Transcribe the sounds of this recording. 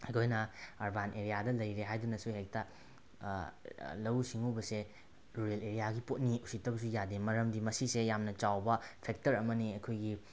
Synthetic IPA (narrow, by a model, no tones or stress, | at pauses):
hɐjkʰojnɐaɾbanʔeɾijadɐlɐjɾeɦajdunɐsuhek̚tɐ | lɐwsiŋobɐse | ɾuɾeleɾijaɡipot̚niusitːɐbɐs̬ujademɐɾɐmdimɐsisejamnɐt͡ʃawbɐpʰek̚tɐɾɐmɐniɐjkʰojɡi